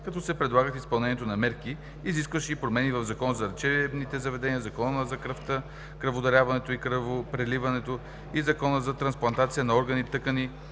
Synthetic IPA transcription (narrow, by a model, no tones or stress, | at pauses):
kɐt̪ɔsɛpɾɛd̪lˠaɡət̪ispɐlˠnɛniɛt̪onɐmɛɾki | iziskvəʃɛipɾomɛnivɐvzɐkɔnəzɐɾt͡ʃɛbnit̪ɛzɐvɛd̪ɛniəzɐkɔnəzɐkɾəft̪ə | kɾɐvod̪ɐɾʲjavɐnɛt̪oikɾəvopɾɛlivɐnɛt̪o | izɐkɔnəzɐt̪ɾɐnsplˠɐnt̪at̪sijənɐɔɾɡənit̪ɤkəni